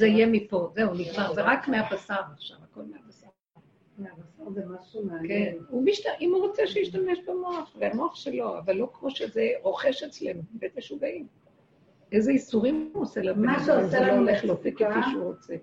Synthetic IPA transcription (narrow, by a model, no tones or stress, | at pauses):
zeijemipo̞zeuniɡmaʁzeʁakmeabasaʁaχʃavako̞lmeabasa | kenumiʃtaʔimuʁo̞t͡seʃejiʃtame̞ʃbemo̞aχveamo̞aχʃelo̞a̰valːo̞kmo̞ʃezeʁo̞χeʃet͡slenubeteʃubaim | ezeisuʁimuoselametselanuleχlofikefiʃuʁot͡se